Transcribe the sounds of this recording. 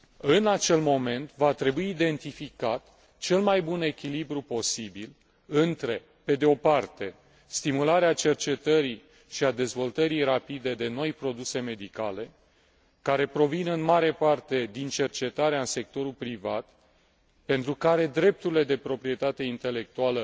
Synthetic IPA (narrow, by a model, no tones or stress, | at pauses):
ɨnat͡ʃe̞lmo̞me̞nt̪vat̪ɾe̞buiːd̪e̞nt̪ifikat̪ | t͡ʃe̞lmajbune̞kʲilibɾupo̞sibil | ɨnt̪ɾe̞ | pe̞d̪eo̞part̪e̞ | st̪imulaɾeat͡ʃe̞rt͡ʃe̞t̪əɾi | ʃiad̪e̞zvo̞lt̪əɾijɾapid̪e̞d̪e̞no̞jpɾo̞d̪use̞me̞d̪ikale̞ | kaɾe̞pɾo̞vinɨnmaɾe̞part̪e̞d̪int͡ʃe̞rt͡ʃe̞t̪aɾeaɨnse̞k̚t̪o̞ɾulpɾivat̪ | pe̞nt̪ɾukaɾe̞d̪ɾe̞p̚t̪uɾile̞d̪e̞pɾo̞pɾije̞t̪at̪e̞int̪e̞le̞k̚t̪ualə